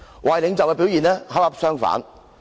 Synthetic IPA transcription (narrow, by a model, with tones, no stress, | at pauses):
wʔaː˨˩jlɪ˨˧ŋt͡sɐ˨wkɛ˧pi˨˥wjiː˨˩nɛː˥ɦaː˨˥a˦˥p̚sœː˥ŋfa̰ː˨˥n